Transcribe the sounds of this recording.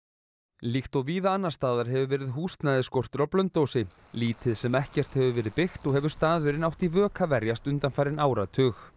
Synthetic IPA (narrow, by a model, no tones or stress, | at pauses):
lixt̪ɔɣviːðaanːḁst̪aːðaɾ̥ɦɛvʏvɛːɾɪðɦuːst̪naðɪskowr̥t̪ʏɾawplœnt̪owsɪ | liːt̪ɪðsɛmɛhcɛr̥t̪hɛvʏvɛːɾɪðpɪxt̪ɔɣhɛvʏ̥st̪aːðvʏɾɪnawht̪ivœːkʰavɛɾjast̪ʏnt̪anfaːjɾɪnaːwɾat̪ʰʏːx